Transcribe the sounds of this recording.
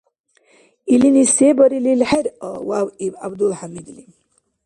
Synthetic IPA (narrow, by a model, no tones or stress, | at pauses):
ilinisebəɾililheɾəwawiba̰bd̪ulħamid̪lim